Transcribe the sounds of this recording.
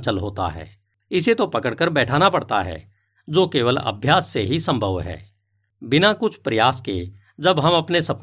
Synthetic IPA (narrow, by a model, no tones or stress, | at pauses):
t͡ʃəlɦoːt̪a̰ɦɛ̰ː | ɪset̪opɐkəɽkəɾbɛːʈʰaːnapɐɽt̪a̰ɦɛ̰ː | d͡ʒoːkeːʋələ̰bʱjaːsːeɦisə̃mbʱəʋɦɛ̰ː | bɪnakʊt͡ʃʰpɾəjaːskḛ | d͡ʒəbɦɐmɐpnesɐp